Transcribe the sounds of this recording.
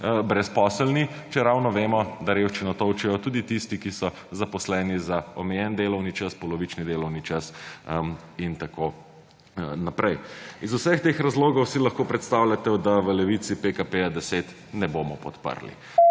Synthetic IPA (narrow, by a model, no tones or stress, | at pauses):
bɾɛspɔsəlnit͡ʃɛɾawnɔʋeːmɔd̪aɾeːwʃt͡ʃinat̪ɔwt͡ʃɛjɔt̪uːd̪it̪ist̪ikisɔ | zapɔslɛːnizaɔmɛjɛnd̪eːlɔwnit͡ʃəspɔlɔʋit͡ʃnid̪eːlɔwnit͡ʃəs | int̪akʰo | napɾɛjizusɛxt̪eːxɾazloːɡɔwsilɐxkoːpɾɛt̪st̪awlʲjat̪ɛd̪aʋəlɛʋit̪sipekapead̪ɛseːt̪ | nɛbomɔpɔt̪pə̰ɾlḭ